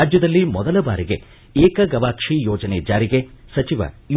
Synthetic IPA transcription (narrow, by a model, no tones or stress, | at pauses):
aːd͡ʒjɐd̪ɐlːimɔd̪ɐlɐba̰ːɾiɡe̞̰ | eːkɐɡɐʋaːkʂijoːd͡ʒɐned͡ʒaːɾiɡesɐt͡ʃiʋɐ̰ | i